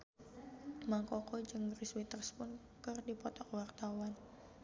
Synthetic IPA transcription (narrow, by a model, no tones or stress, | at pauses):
maŋkɔkɔd͡ʒɨŋriswit̪ərspʊn | kɨrdipɔt̪ɔkwart̪awan